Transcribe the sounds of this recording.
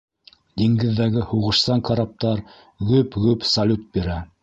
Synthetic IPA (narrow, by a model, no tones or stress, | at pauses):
d̪iŋɡɘ̆ðːæɡɘhuʁɤ̆ʃsɑŋkɑɾap̚t̪ɑɾ | ɡɵpɣɵpsɐlʲut̪̚biɾæ